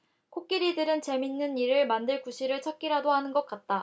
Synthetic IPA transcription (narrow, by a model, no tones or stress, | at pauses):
kʰok̚k͈iɾidɯɾɯnt͡ɕe̞minːɯniɾɯɭmandɯɭkuɕʰiɾɯɭt͡ɕʰʌp̚k͈iɾadohanɯnɡʌk̚k͈at̚t͈a